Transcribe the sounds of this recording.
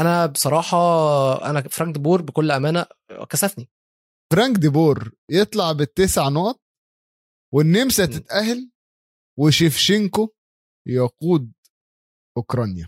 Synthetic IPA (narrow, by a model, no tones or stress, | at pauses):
ʔænæbesˤɑɾˤɑːħɑʔæ̰næfɾɑŋɡ̚d̪eboːɾbekolːʔæmæːnæ̰kæsæfni | fɾɑŋɡd̪eboːɾjet̪ˤlɑʕbet̪ːæːseʕnoʔt̪̚ˤ | wenːemsæt̪et̪ʔæhl | weʃefʃeŋko | jɑquːd̪̚ | ʔokɾˤɑnjæ